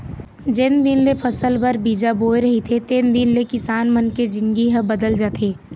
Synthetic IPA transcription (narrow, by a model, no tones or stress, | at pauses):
d͡ʒɪnd̪ɪnlepʰɐsəlbəɾbiːd͡ʒaboːeɾɐɦit̪ʰet̪end̪ɪnlekɪsaːnmənked͡ʒɪ̃ŋɡiɦəbɐd̪əld͡ʒaːt̪ʰeː